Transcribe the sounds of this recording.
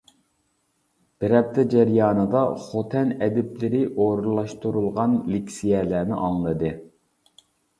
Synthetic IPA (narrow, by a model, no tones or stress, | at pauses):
b̥ɪɾɛp̚t̪ʰɛd͡ʒɛɾjɑːnɨd̪ɑχot̪ʰɛnɛd̪ɪplɪɾɪʔoɾlˠɑʃt̪uɾulˠʁɑnlikʲsijɛlæːnɪ̰ʔɑŋlˠɨd̪ɨ